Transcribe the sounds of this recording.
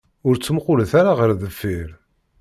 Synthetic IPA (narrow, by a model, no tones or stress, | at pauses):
ʊɾt͡sːəmqʊlθaɾaʁəɾðəfːiɾ